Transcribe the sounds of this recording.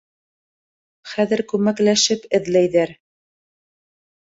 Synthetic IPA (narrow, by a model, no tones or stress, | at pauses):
χæðɘ̆ɾkʉmæklæʃɘpɘ̆ðlæjðæɾ